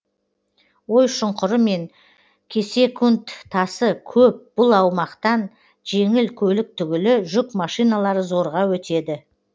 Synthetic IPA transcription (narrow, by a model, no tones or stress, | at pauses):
wo̞jʃʊɴqʰʊɾəme̞ŋ | kʲʰe̞se̞kʲʰʊnt̪ʰːɑsəkʲʰɵp̚b̥ʊlˠɑwmɑqt̪ɑn | ʒe̞ŋɪlkʲʰɵlɪk̚t̪ʰʏɡʲɪlɪʒʏkmɑʃijnɑlˠɑɾəzo̞ɾʁɑwɵt̪e̞d̪ɪ